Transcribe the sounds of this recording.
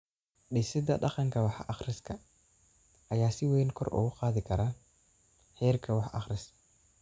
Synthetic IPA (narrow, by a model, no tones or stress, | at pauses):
ɗɪsɪd̪ɐɖɑqɑŋkʰɐwɑħʔɑχrɪskʰɐ | ɐjaːsɪwɛːnkʰɔrʔʊ̰ɣʊqɑːðɪkʰɐɾɐ | ħɛːrkʰɐwɑħɑ̰χɾɪs